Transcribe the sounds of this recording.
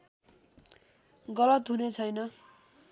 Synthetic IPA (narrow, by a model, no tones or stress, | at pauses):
ɡʌlʌt̪ɦunet͡sʰʌjnʌ